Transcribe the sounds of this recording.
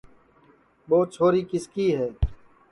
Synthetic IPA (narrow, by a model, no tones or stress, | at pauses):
ɓoːt͡ʃʰoːɾiːkɪskiːɦɛː